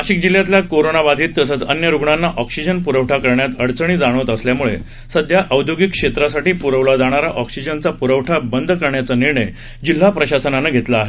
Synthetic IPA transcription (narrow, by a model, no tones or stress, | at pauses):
aɕik̚d͡ʑilːjat̪ljakoɾonabad̪ʱiːt̪ːəsəːt͡sə̰njəɾuɡɳanːaʔɔksid͡ʑənpuɾəʋʈʰakəɾɳjat̪əɽt͡səɳ̃iːd͡zaɽ̃ət̪əsljamuɭḛ | səd̪ʱjaʔəwd̪ʱjoɡikːʂet̪ɾasaʈiːpuɾəʋlad͡z̪aɽ̃aɾaʔɔksid͡ʑənt͡sapuɾəʋʈʰabənd̪ʱkəɾɳjat͡səniɾɳəj | d͡ʑil̤ːapɾəɕasənanaɡʱet̪laːɦe